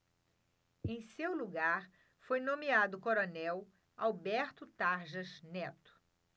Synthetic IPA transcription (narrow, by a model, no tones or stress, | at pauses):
ẽj̃sewluɡaɾ | fojnõmiad̪ʊkoɾonɛw | awbɛɾt̪ʊt̪aɾʒɐznɛt̪ʊ̥